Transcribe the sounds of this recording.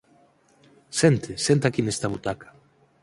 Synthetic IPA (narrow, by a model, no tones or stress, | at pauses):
sent̪ɪsent̪̬akinest̪aβut̪akḁ